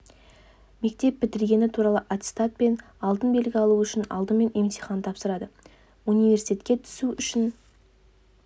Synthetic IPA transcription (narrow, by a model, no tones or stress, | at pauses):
me̞k̚t̪e̞p̚bɪt̪ɪɾɡʲe̞nɪt̪ʰuɾɑlˠəʔat̪si̥t̪at̪̚pe̞n | ɑlˠd̪ənbe̞lɡʲɪɑlˠuʏʃɪnɑ̰lˠd̪əme̞nʔe̞mt̪ʰiχɑnt̪ʰɑpsəɾɑd̪ə | unijve̞rsit̪et̪kʲe̞t̪ʰʏ̥suʔʏʃɪn